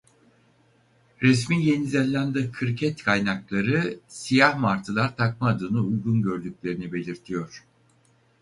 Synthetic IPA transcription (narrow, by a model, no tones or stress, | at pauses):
ɾɛsmiːje̞nizɛlʲːænd̪ɛkʰɯɾcʰɛt̪kʰajnaklˠaɾɯsijahmaɾt̪ʰɯlˠaɾt̪ʰak̚maːd̪ɯnɯujɡunɟø̞ɾd̪yc̚ʲlʲe̞ɾinibe̞lʲiɾt̪ʰijo̞ɾ̥